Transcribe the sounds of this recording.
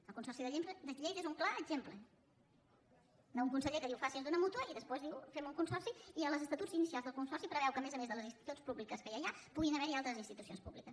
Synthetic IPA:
əlˠkunsɔrsiðəʎempɾəd̪əiʎejðezuŋklaəɡʒemplə | d̪əuŋkunsəʎekəðiwfasizðunəmut̪uəiðəspwezðiwfemuŋkunsɔrsiiələzəst̪ət̪ud͡zinisialzðəlˠkunsɔrsipɾəβɛwkəmezəmezðələzinst̪i̥t̪ut͡spuβlikəskəjajapuɣinəβɛɾialˠt̪ɾəzinst̪it̪usio̰nspuβlikəs

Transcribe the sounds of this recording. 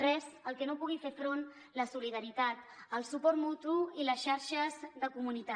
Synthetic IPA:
rɛzəlˠkɛnopuɣ̞ifefɾon | ləsuliðəɾit̪at̪əlˠsupɔɾt̪mut̪uiləsʃaɾʃəzðəkumunit̪a

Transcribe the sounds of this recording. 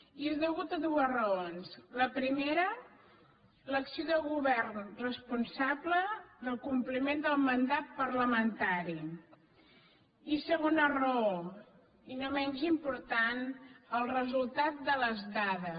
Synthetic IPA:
iezðəɣut̪əðuəzrəonsləpɾimeɾə | ləksioðəlˠɣuβɛrnrəspunsaβləðəlˠkumplimend̪əlˠmənd̪at̪̚pəɾləmənt̪aɾi | isəɣonərəo | inomɛnʲzimpuɾt̪anəlˠrəzulˠt̪at̪̚d̪ələzðaðə

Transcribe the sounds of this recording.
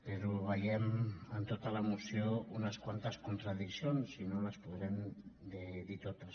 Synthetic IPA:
peɾuβajemant̪ot̪alamusjounaskwant̪askunt̪ɾaðisjonsinolaspuðɾemd̪eðit̪ot̪as

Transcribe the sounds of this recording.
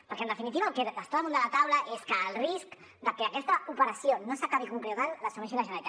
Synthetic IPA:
pəɾkɛənd̪əfinit̪iβəːlkeðəst̪aəmũnd̪əlat̪awləʔeskəːlˠrisk | d̪əkeːkɛst̪əupəɾəsjonosakaβikuŋkɾewɣanləsumɛʃ̬iləʒənalit̪

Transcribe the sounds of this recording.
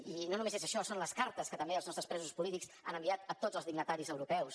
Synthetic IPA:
inonũmezezəʃɔsonləskaɾt̪əskət̪əmbeəlˠznɔst̪ɾəspɾɛzuspulit̪iks | a̰nəmbiat̪ət̪od͡zəlˠzðiɡnət̪aɾizəwɾupɛws

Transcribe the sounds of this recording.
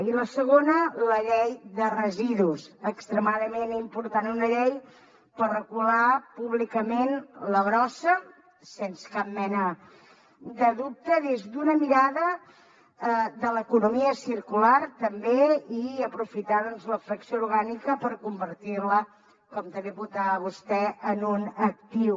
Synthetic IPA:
iləsəɣ̞onələʎejðərəziðusəkst̪ɾəmaðəmenimpuɾt̪anunəʎej | pərrəɣulapuβlikəmenləβɾɔsə | sensə̥kap̚mɛnə | d̪əðup̚t̪əðezd̪unəmiɾaðə | əðələkunumiəsiɾkulart̪əmbeiəpɾufit̪aðɔnzləfɾəksjouɾɣanikəpəɾkumbəɾt̪irlə | kɔmt̪əmbeβut̪aβ̞ust̪ɛənunək̚t̪iw

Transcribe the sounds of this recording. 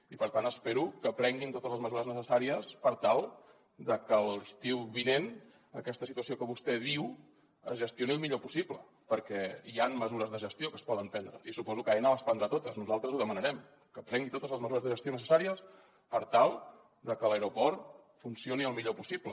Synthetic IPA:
ipəɾt̪anəspeɾukəpɾɛŋɡint̪ot̪əzləzməzuɾəznəsəsaɾiəspəɾt̪alˠ | d̪əkəlˠist̪iwβinen | əkɛst̪əsit̪uəsiokəβust̪ɛðiw | ə̰zʒəst̪joniəlˠmiʎopu̥siplə | pəɾkɛianməzuɾəzðəʒəst̪iokəspɔðəmpɛnd̪ɾə̰isupɔzukajnələspənd̪ɾat̪ot̪əznuzalˠt̪ɾəzuðəmənəɾɛm | kəpɾɛŋɡit̪ot̪əzləzməzuɾəzðəʒəst̪jonəsəsaɾiəs | pəɾt̪alˠ | d̪əkələjɾupɔɾt̪funsioniəlˠmiʎopusiplə

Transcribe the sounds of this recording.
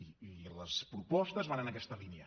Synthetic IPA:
iiləspɾupɔst̪əzβanənəkɛst̪əliniə

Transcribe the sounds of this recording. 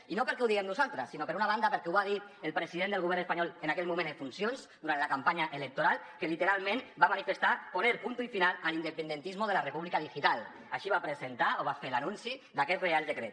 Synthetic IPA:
inopəɾkɛwðiɣɛmnuzalˠt̪ɾəsːinopəɾunaβ̞and̪apəɾkɛuβaðit̪əlˠpɾəziðend̪əlˠɣuβɛɾnəspaɲɔlenakɛlmumẽnd̪əfunsionzd̪uɾant̪lakampaɲaʔelək̚t̪oɾalˠkəlit̪əɾalˠmẽnbamanifəst̪aponeɾpunt̪uifinalalinəpənd̪ənt̪izmoðəlarepuβlikaðiʒit̪alˠ | aʃiβapɾəzent̪aoβ̞afelanunsid̪akɛt̪realˠd̪əkɾɛt̪

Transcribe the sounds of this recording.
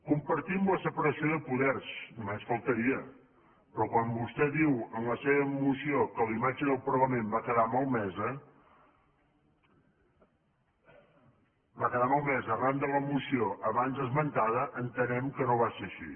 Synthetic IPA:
kumpəɾt̪imləsəpəɾəsioðəpuðɛrsnumesfəlˠt̪əɾiə | pɾɔkwambust̪ɛðiwəmləseβəmusiokəlimad͡ʒəðəlˠpəɾɣəmembakəðamɔlˠmɛzə | bakəðamɔlˠmɛzərand̪ələmusioʔəβanzðəzmənt̪aðəʔənt̪ənɛmkənoβaseəʃḭ

